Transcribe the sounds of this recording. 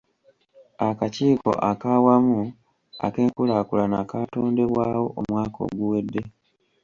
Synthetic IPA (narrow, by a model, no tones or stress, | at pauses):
akaciːko̞̰ʔakaːwamu | a̰ke̞ːŋkulaːkulanakato̞ːnde̞βwaːwo̞ʔomwaːko̞̰ɡuwe̞dːe̞